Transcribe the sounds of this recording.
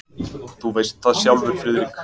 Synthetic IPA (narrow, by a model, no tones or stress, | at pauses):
θuvejst̪θaðsjawmvʏɾfɾɪːðɪɾɪkʰ